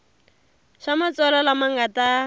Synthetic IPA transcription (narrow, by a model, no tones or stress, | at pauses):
ʃamat͡sɔlɔlamaŋata